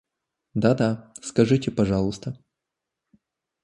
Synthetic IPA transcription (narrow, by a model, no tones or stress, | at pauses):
d̪ad̪askɐʐɨtʲɪpɐʐɑlˠɨst̪ə